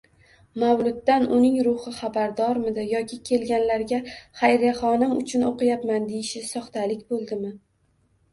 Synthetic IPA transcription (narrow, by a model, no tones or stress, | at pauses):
mawlʊd̪ːanʊnɪŋɾʊhɨχabaɾd̪ɒɾmɪd̪ajɒkʲʰɪkʲʰe̞lɡʲanlaɾɡʲaχajɾjaχɒnɪmʊ̰t͡ʃʰʊnoqɨjapmand̪ejɪʃɪsɒχt̪ʰalɪkʲbolˠd̪ɪmɪ